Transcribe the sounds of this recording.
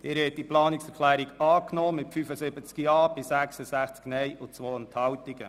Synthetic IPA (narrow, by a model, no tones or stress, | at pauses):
d̥ɪːɾhɛt̚diplɑːnɪksɛɾkʰlæːɾiɡɑːknoːmɪtfyfəsɪbət͡skiɑːb̥ɪsæksəzæχt͡sknɛjʔʊt͡sʋoːənt̪hɑwtiɡə̰